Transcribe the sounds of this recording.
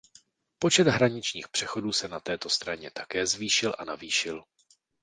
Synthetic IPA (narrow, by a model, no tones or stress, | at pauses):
po̞t͡ʃɛd̪ɦɾaɲɪt͡ʃɲiːxpr̝̥ɛxo̞duːsɛnat̪ɛːt̪o̞st̪ɾaɲɛt̪ḁkɛːzviːʃɪlʔa̰naviːʃɪl